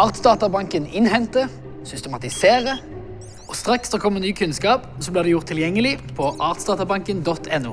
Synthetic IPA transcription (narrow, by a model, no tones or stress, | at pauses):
ɑːʁt̪sd̪ɑːt̪əbɑŋkənɪnhɛnt̪ə | sʏst̪əmɑt̪ɪseːʁə | ɔst̪ʁɑkssɔkʰɔmːənyːkʰʉnskɑːp | sɔblɪʁd̪ɛjʊʁt̪ʰːɪljɛŋːəlɪpʰɔʔɑːʁt̪sd̪ɑːt̪ɑbɑŋkənd̪ɔt̪ʰːɛnːṵː